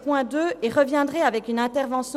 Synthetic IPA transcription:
pwɛ̃d̪øʔeʁəvjɛ̃d̪ʁɛavɛkynɛ̃t̪ɛʁvɑ̃s

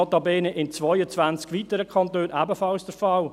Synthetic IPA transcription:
ɑtɑbɛːnəʔɪnt͡svɔjət͡svænt͡skʋitəɾəkʰɑntøːnʔæːbəfɑlsd̥əɾfɑl

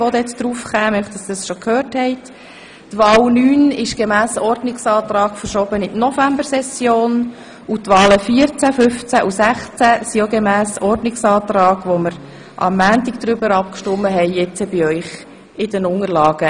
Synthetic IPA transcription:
ʋɔd̪ɛt͡sd̥̪ɾuːfχæːmœχtəsdɑsʃɔkʰhøːrthɛɪt | tʋɑːlnyːnɪʃɡ̥emæːsɔɾdnɪksɑːt̪ɾɑːɡ̥fəɾʃɔːbənɪtnɔfæmbəɾsɛsjoːn | utʋɑːləfiəɾt͡sæfʏft͡sæʔusæχt͡sæsioɡemæːsɔrdnɪksɑːt̪ɾɑːɡʋoməɾ | ʔɑ̰mːæːntɪɡd̥̪ɾʏbəɾɑp̚kʃtʊmːəɦɛɪjɛt͡səbɪœʏχ | ɪd̥ənʊŋərlɑːɡ̥ə

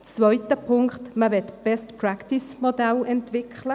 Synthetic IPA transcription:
t͡svœʏt̪əpʰʊŋkχt̪məvɛt̪b̥ɛstprakt̪ismodɛlɛnt̪vɪkʰχlə

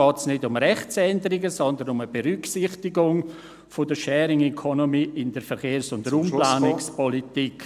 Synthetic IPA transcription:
ɔːtsnɪdʊmɾɛχt͡sɛndəɾiɡəsɔndənʊməbeɾyksɪχtɪɡʊŋ | fodəʃɛːɾɪŋɛkʰɔnomiːɪnd̥əɾfɛɾχeːɾsʊndəɾumplaːnɪkspɔlitik

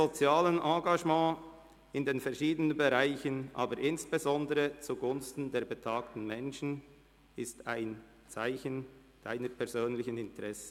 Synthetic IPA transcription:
ot͡sjaːlənʔɑ̃ːɡɑʒmɑ̃ː | ɪndeːnfɛʁʃiːdənənbeʁaɪçənʔa̰ːbəɾʔɪnsb̥ezɔndəʁət͡suɡʊnstn̩deːɾbətʰaːktn̩mɛnʃn̩ | ɪstaɪn | t͡saɪçən | d̥a̰ɪnəɾpʰɛʁzøːnlɪçənɪntʁɛsə̥

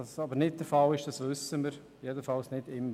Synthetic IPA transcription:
sɑbəɾnɪt̚d̥əɾfɑlɪʃd̥ɑsʋʏsːəməɾ | jedəfɑlsnɪdɪmː

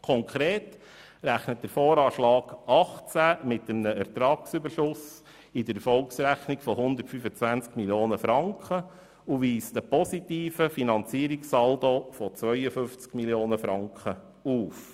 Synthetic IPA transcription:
kʰɔŋkʰɾeːt | ɾæχnət̚d̥̪əɾfoːɾɑːʃlɑːɡ̥ɑχt͡sæmɪtəmnəɛɾtɾɑːksybəɾʃʊs | ɪdəɾfɔlksɾæχniɡfɔhʊnd̪ərtfyfət͡sʋænt͡skmiljoːnəfɾɑŋkχə | uʋiːstəpɔsitiːfəfinɑnt͡siːɾiksɑld̪ofɔt͡sʋœʏəfʏft͡skmiljoːnəfɾɑŋkχə | uːf

